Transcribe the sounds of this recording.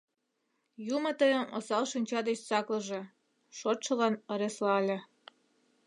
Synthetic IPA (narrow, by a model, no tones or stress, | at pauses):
jumət̪əjə̆mo̰sɑlʃinʲt͡ɕɑd̪et͡ɕt͡sɑkləʒĕ | ʃot̪ʃə̆lɑnə̆ɾeslɑlʲĕ